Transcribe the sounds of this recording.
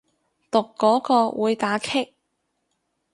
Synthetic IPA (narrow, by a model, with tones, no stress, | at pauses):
t̪ʊ˨kːɔː˨˥kɔː˧wʔuː˨˧jt̪aː˨˥kʰɪ˥k̚